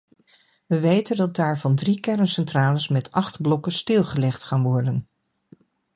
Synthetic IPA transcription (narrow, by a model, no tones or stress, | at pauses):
ʋəʋejtəndɑt̚daːɹvɑndrikɛrənsɛntraːləsmɛtɑχtblɔkəstɪlˠχəlɛχtχaːnʋɔɹdən